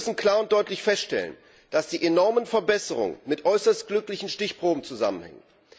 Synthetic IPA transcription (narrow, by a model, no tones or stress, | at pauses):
sn̩kl̥aːɐʊnt̚d̥ɔʏtlɪçfɛstʃtɛ̰lə̰n | d̥asd̥iːʔenɔɐmənfɛɐbɛsəʁ̞ʊ̰ŋə̰nmɪtʔɔʏsɐst̚ɡ̥lʏklɪçn̩ʃtɪçpʁ̥oːbm̩t͡suza̰mənhɛ̰ŋə